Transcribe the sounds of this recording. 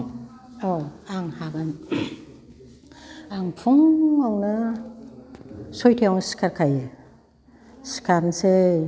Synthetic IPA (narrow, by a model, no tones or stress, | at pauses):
aaŋhaɡan | aŋpʰuŋawnɯ | sojtʰeaŋsi̥kʰaɾkʰaj | si̥kʰaɾnse